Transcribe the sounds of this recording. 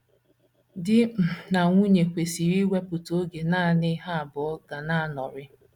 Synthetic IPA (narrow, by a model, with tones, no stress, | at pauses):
dɪ˦m̩˨na˨ŋʷu˦ɲe˨kʷe˨si˨ɾi˦wʷe˦pʊ˨to˦ɡe˨naː˦˨nɪ˦ɦa˦a˨bɔ˨ɔ˦ɡa˨na˦a˦nɔ˨ɾɪ˦